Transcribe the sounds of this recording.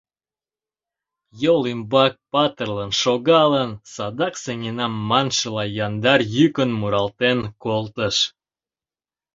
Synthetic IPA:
jolimbɑk̚pɑt̪ərlənʃoɣɑlənsɑd̪ɑksenʲinɑmːɑnʃəlɑjɑnd̪ɑrjykənmuɾɑlt̪enkolˠt̪əʃ

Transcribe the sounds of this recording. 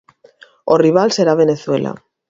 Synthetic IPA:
oriβ̞alse̞ɾaβ̞e̞neθwe̞̰la̰

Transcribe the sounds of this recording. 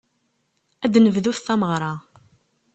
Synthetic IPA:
æd̪nəvðuθθæməʁɾˤɑ

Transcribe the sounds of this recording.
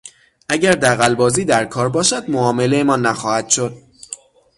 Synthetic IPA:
ʔæɟæɾd̪æɣælbɒːziːd̪æɾkʰɒːɾbɒːʃæd̪moɒːme̞lejemɒːnːæxɒːhæd̪̥ʃod̪̥̚

